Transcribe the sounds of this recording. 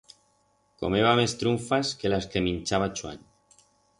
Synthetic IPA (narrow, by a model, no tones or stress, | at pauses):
ko̰meβamest̪ɾuɱfaskelaskeminʲt͡ʃaβat͡ʃwa̰ɲ